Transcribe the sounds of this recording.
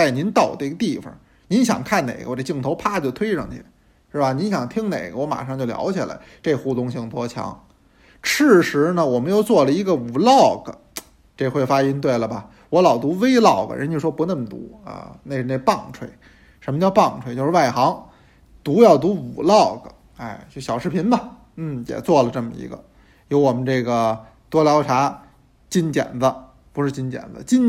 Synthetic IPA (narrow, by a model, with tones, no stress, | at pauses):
t͡sa˥˩ɪni˧˥nt̪ɑ˥˩ʊd̪ə˦i˧ɡə˧t̪i˥˩fə̰˨˩ | ni˧˥nɕjɑ̰˨˩ŋkʰa˥˩nnḛ˨˩ɪɡə̰˧wɔ˧˩ʈ͡ʂə˥˩t͡ɕi˥˩ŋt̪ʰo˧˥ʊpʰa˥˧t͡ɕjo˥˩ʊt̪ʰwe˥ɪʂɑ̰˥˧˩ŋt̪ʰḭ˧˩ | ʂɻ̩˥˩ba˩ni˧˥nɕjɑ˨˩ŋt̪ʰi˥ŋne˨˩ɪɡə˦wɔ˧˥ma̰˨˩ʂɑ˥˧ŋt͡ɕjo˥˩ʊljɑ̰˧˥ʊt͡ɕʰi˨˩la̰˧˥ɪʈ͡ʂe˥˩˧xu˥˩t̪ʊ˥˧ŋɕi˥˩ŋt̪wɔ˥t͡ɕʰjɑ̰˧˥ŋ | ʈ͡ʂʰɻ̩˥˩ʂɻ̩˧˥nə˨wɔ˨˩mə˦njo˥˩ʊt͡swɔ˥˩lə˩i˧˥ɡə˧u˨˩lɑ˥˩ʊɡə̰˩ | ʈ͡ʂe˥˧xwe˥˩ɪfa˥i˥nt̪we˥˩ɪlə˩bɐ˨˩ | wɔ˧˥lɑ˨˩ʊt̪u˧˥we˥ɪlɑ˥˩ʊɡə̰˩ɻə̰˧˥nt͡ɕo˥˧ʂwɔ˥pu˧˥nə˥˩mə˩t̪ṵ˧˥ɐ̰˧ne˥˧ɪʂ̩˧˩n˥˩ɪpɑ˥˩ŋʈ͡ʂʰwe˥˩ɪ | ʂə˧˥nmə˧t͡ɕjɑ˥˧ʊpɑ˥˩ŋʈ͡ʂʰwe˥˧ɪt͡ɕjo˥˧ʊʂɻwa˥˩ɪxɑ˧˥ŋ | t̪u˧˥jɑ˥˩ʊt̪u˧˥ṵ˨˩lɑ˥˩ʊɡə̰˩ | a˥˩ɪt͡ɕjo˥˩ɕjɑ˨˩ʊʂɻ̩˥pʰi˧˥nbɐ˨ | n̩˥˩jɛ̰˨˩t͡swɔ˥˩lə˩ʈ͡ʂɤə˥˩mə̰˩ḭ˧˥ɡə̰˧ | jo˧˥ʊwɔ˨˩mə˦nʈ͡ʂɤ˥˩ɡə˩ | t̪wɔ˥ljɑ˧˥ʊʈ͡ʂʰa˧˥ | t͡ɕi˥˩nt͡ɕjɛ̰˨˩nd̪ə˦ | pu˧˥ʂɻ̩˥˧t͡ɕi˥nt͡ɕjɛ̰˨˩nd̪ə̰˦t͡ɕi˥˧n